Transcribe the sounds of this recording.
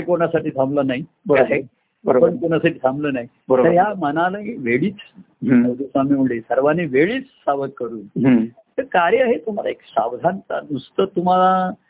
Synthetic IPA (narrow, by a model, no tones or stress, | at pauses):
akoɳjasaʈiːt̪ʰãmblənaɦi | bəɾaɦe | bəɾpəɳkoɳ̃asaʈiːt̪ʰãmbləːnaɦi | bəɾəɾɦjamənaləiʋeɭiːt͡s | əwd̪esamiməɭesəɾʋaniʋeɭiːt͡ssaʋət̪̚kəɾuːnɦ | t̪əɾkaɾəaɦet̪əm̤ala̰eksa̰wd̪ʱant͡sa̰nust̪ət̪um̤ala